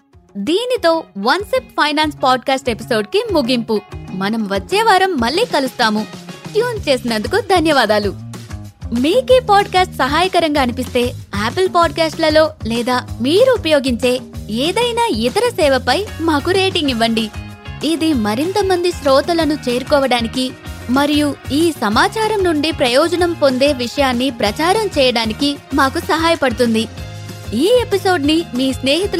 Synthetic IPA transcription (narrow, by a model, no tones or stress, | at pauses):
d̪iːnit̪o̞ːʋɐnseppʰɐjnaːnspaːɖ̚kaːsʈe̞piso̞ːɖkimuɡimpumɐnɐmʋɐt͡ʃːɛːʋaːɾɐmːɐɭːiːkɐlust̪aːmuʈjuːnt͡ʃe̞ːsinɐnd̪ukud̪ʱɐnjɐʋaːd̪aːlu | miːkipaːɖkaːsʈsɐɦaːjɐkɐɾɐŋɡaːɐnipist̪e̞ːaːpɐlpaːɖ̚kaːsʈlɐlo̞ːlɛːd̪aːmiːɾuːpɐjo̞ːɡiɲt͡ʃe̞ːeːd̪ɐjnaːit̪ɐɾɐsɛːʋɐpɐjmaːkuɾe̞ːʈiŋɡiʋːɐɳɖi | id̪imɐɾint̪ɐmɐnd̪iʃɾɔːt̪ɐlɐnut͡ʃeːɾukɔːʋɐɽaːniki | mɐɾijuiːsɐmaːt͡ʃaːɾɐmnuɳɖipɾɐjɔːd͡ʒɐnɐmpo̞nd̪e̞ːʋiʂɐjaːnːipɾɐt͡ʃaːɾɐmt͡ʃɛːjɐɽaːnikimaːkusɐɦaːjɐpɐɽut̪und̪i | iːe̞piso̞ːɖnimiːsne̞ːɦit̪u